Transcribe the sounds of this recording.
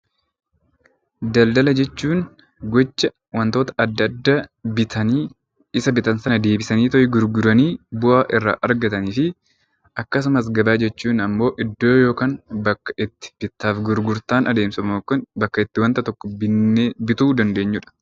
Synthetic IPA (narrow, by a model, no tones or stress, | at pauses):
d̪ɐld̪ɐlɐd͡ʒɛt͡ʃːuːn | ɡɔt͡ʃːɐ | wɐnt̪o̞ːt̪ɐ̥ʔɐd̪ːɐd̪ːaɐiː | ɪsɐbɪt̪ɐnsɐnɐd̪e̞ːbɪsɐniːt̪ɔʔɪɡʊɾɡʊɾɐniːbʊʔaːʔɪrːa̰ːʔɐɾɡɐt̪ɐniːfɪ | ʔɐkːɐs̬ʊmɐs̬ɡɐbaːd͡ʒɛt͡ʃːuːnɐmːo̞ːʔɪd̪ːo̞ːjo̞ːkaːnbɐkːɐ̥ʔɪt̪ːɪ̥b̥ɪt̪ːaːfɡʊɾɡʊɾt̪aːnʔɐd̪e̞ːmsɐmokːʊnbɐkːɐɪt̪ːɪwɐnt̪ɐt̪ɔkːɔbɪebɪt̪uːd̪ɐnd̪e̞ːɲːʊᶑɐ̥